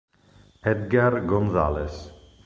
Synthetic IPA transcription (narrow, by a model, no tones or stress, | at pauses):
ɛd̪̚ɡaɾɡɔ̃nza̰lɛs